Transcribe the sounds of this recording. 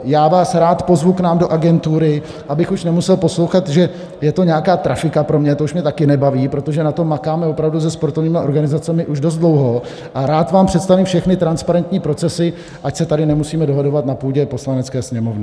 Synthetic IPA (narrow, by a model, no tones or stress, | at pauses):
jaːvaːsɾaːt̪po̞zvuknaːmdoʔaɡɛnt̪uɾɪ | ʔabɪxuʃnɛmusɛlpo̞slo̞wxat̪ʒɛ | jɛt̪oɲɛakaːt̪ɾafɪkapɾo̞mɲɛt̪ouʃmɲɛt̪akɪnɛbaviːpɾo̞t̪o̞ʒɛnat̪o̞makaːmɛvopɾavduzɛspo̞ɾt̪o̞vɲiːmɪʔo̞ɾɡanɪzat͡sɛmɪʔuʒdo̞s̬t̪̚dlo̞wɦo̞ | ʔaɾaːt̪vaːmpr̝̥ɛt̪st̪aviːmfʃɛxnɪt̪ɾanspaɾɛnt̪ɲiːpɾo̞t͡sɛsɪ | ʔacsɛt̪adɪnɛmusiːmɛdo̞ɦado̞vat̪napuːɟɛpo̞slanɛt͡skɛːsɲɛmo̞vnɪ